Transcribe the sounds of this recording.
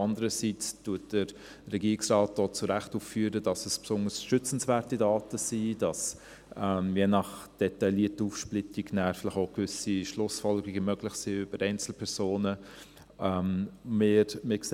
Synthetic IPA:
ɑndəɾəsit͡stuɐt̚d̥əɾ | rɛɡiːiksrɑːt̚d̥oːt͡suɾæχtuffyːɾədɑsəspsʊndəsʃʏt͡sn̩svæːɾtidɑːtəsid̥ɑs | ɛmjenɑχd̥ɛtɑɪliətəuːfʃplɪtiɡnæːɾfɪlɪxoʊkvʏsiʃlʊsfɔlɡɾiɡəmœɡlɪχsiːʏb̥əɾʔɛɪnt͡sl̩pʰɛɾsoːnə | ɛmmɪɾmɪks

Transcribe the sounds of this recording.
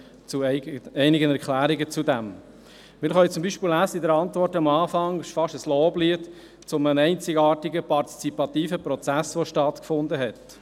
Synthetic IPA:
t͡suɛɪnɪɡənɛɾkʰlæːɾɪɡət͡sudæm | mɪɾχœɪt͡sʊmbiːʃpɪːlæːsəidɛɾɑntvɔrtɑmɑːfɑŋɪʃfɑʃəsloːbliːət | t͡sʊmənɛɪnt͡sɪɡɑːtɪɡəpɑrti̥t͡sipɑt̪iːfəpɾɔt͡sæsʋoʃtɑt̪kfʊnd̪əɦɛt

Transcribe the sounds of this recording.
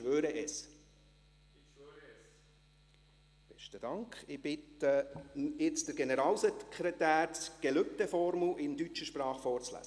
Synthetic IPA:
ʋøːɾəʔɛs | b̥ɛʃtəd̥ɑŋkχɪb̥ɪtəɪt͡sd̥əɾɡɛnɛɾɑːlsɛkχɾɛt̪æːɾɡ̥ɛlʏp̚t̪əfɔɾmlʔɪndyt͡ʃəʃprɑːχfɔːrt͡slæ̰s

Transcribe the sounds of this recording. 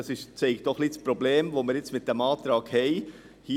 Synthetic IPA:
ɑsɪʃt͡sɛɪɡd̥ɔχlispɾɔbleːmʋoməɾjɪt͡smɪt̚d̥ɛmɑːt̪ɾɑːɡhɛɪ | hiː

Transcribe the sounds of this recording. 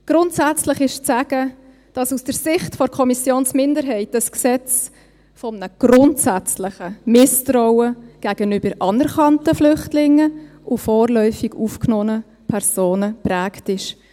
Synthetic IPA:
ɡ̥ɾʊntsæt͡slɪχɪʃt͡sæɡ̥ə | d̥ɑsusd̥əɾsɪχtfɔɾkʰɔmisjoːnsmɪndəɾɦɛɪtəsksɛt͡s | fɔmnəɡ̥ɾʊntsæt͡slɪχəmɪstɾɔʊwəɡ̥æɡ̥ənyb̥əɾʔɑnɛɾkɑntəflʏχtlɪŋːə | ʔʊfɔːrlœʏfiɡuːfknɔːnə | pʰɛɾsoːnəpræːktɪʃ

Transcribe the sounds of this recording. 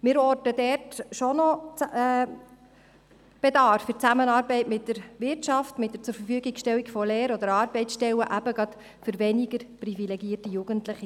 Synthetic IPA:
mɪːɾɔrtədɛrtʃɔnɔt͡sː | b̥ɛd̪ɑːffʏɾt͡sæmənɑːɾbɛɪtmɪt̚d̥əɾvɪtʃɑftmɪt̚dəɾt͡sʊɾfərfyːɡiɡʃtɛlːikfɔleːɾɔd̪əɾɑːrbɛɪt͡sʃtɛləʔæbəɡɑt̪ | fʏɾvɛniɡəɾprivilɛɡiːərtijuɡ̥əntlɪχi

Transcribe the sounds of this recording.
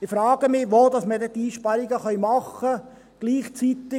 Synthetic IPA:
ɪfɾɑːɡ̥əmɪʋoːdɑsmədɛtiːʃpɑɾiɡəχœjmɑχə | ɡ̥liːχt͡sit̪ɪ

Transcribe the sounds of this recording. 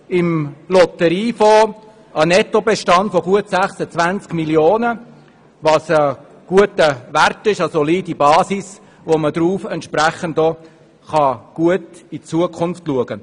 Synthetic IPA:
ɪmlɔt̪əɾiːfo | ɑnɛtobɛʃtɑndfɔɡuətsæχsət͡svænt͡skmiljoːnə | ʋɑsə | ɡ̥uətəʋærtɪʃɑsoliːdibɑːsis | ʋomədɾuːfɛntʃpræχəntɔ | χɑɡ̥uətit͡suəkʰʊnftluəɡə

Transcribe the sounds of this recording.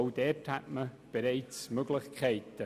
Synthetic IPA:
ʊdɛthatmə | b̥eɾɛɪt͡smøɡlɪçkʰɛɪtə

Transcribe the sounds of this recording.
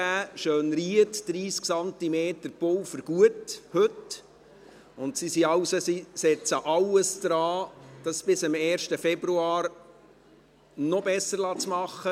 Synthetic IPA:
æːʃøːnɾiətd̥ɾiːsksɑnt̪imeːtəɾpɔwfəɾɡ̥uəthɵt | ʊntsisiɑwsosisɛt͡səʔɑwəsd̥ɾɑːd̥ɑsb̥ɪsɪmɛːɾʃtəfɛbɾuɑːɾ | nɔbɛsəɾlɑt͡smɑχːə

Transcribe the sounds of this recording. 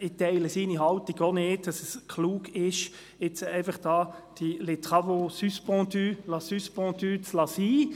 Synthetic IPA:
ɪtɛɪləsiːniɦɑltiɡoneːddɑsəskʰluːkɪʃ | ɪt͡sɛɪfɑχd̥ɑːd̥ilet̪ʁɑvosyspɑ̃ːt̪ylɑsyspɑ̃ːt̪yt͡slɑsiː

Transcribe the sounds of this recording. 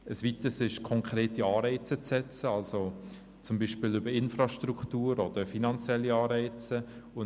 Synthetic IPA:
əsʋitəsɪʃkʰɔŋkʰɾeːtiɑːɾɛɪt͡sət͡sːɛt͡səɑlso | t͡sʊmbiʃpɪlʏbəɾɪnfrɑʃtɾuktuːɾɔd̥əfinɑnt͡sjɛlːiɑːɾɛɪt͡səʊ

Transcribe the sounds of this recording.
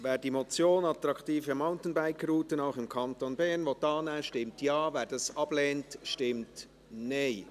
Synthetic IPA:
vɛːɾdiːmot͡sjoːnɑt̪ɾɑktiːfəmaʊntn̩baɪkɾuːtənaʊxɪmkʰɑntonbɛɾnvotɑːnɛʃtɪmtjɑːvɛːdɑsɑb̥lɛːntʃtɪmt | neɪ

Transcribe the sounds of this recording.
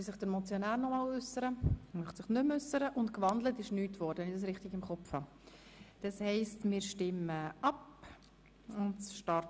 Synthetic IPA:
sɪχd̥əɾmɔt͡sjonæːɾnɔmɑːlʏsːəɾəmœχtsɪχnʏmʏsəɾəʔʊntkvɑndlətɪʃnyːtvɔɾdənɪdɑs̬ɾɪχtɪɡɪmχɔpfhɑː | d̥ɑshɛɪstmɪːɾʃtɪməʔɑp | ʊndʃtɑɾ

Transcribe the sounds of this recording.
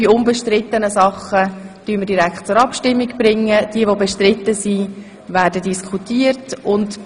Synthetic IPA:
iʊnbeʃtrɪt̪ːənəsɑχəd̥ymədiɾækχt̚t͡sʊɾɑpʃtɪmːiɡb̥ɾɪŋːəd̥iəʋobeʃtrɪt̪ːəsi | væːrdədiskʰutiːərtʊnd

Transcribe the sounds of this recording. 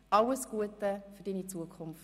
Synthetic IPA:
ʔɑləsɡ̥uətəfydinit͡suəkʰʊmf

